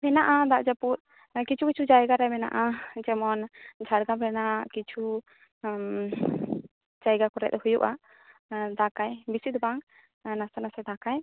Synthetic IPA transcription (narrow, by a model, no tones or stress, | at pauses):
mɛnaʔad̪aʔd͡ʒaput̪̚ | kit͡ʃʰukit͡ʃʰud͡ʒajɡaɾajmɛna̰ʔad͡ʒɛmɔnd͡ʒʱaɽɡabɛnakit͡ʃʰu | d͡ʒajɡakɔɾɛ̰t̪̚hujuʔa | d̪akajbisit̪baŋ | nasɔnasɛd̪akaj